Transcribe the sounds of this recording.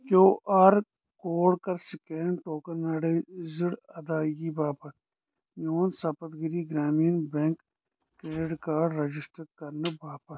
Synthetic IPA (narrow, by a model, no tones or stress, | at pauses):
koːʔaɾ | koːɽkɐɾsɪkeɳɖʈoːkɐɾnɐɽezɪɽɐd̪aːjiːbaːpɐ | joːnsɐpɐt̪ɡiɾiːɡɾaːmiːnbeŋk | kɾeːɖɪɖkaːɖɾɐd͡ʒɪsʈəɾkɐɾnɐbaːpɐ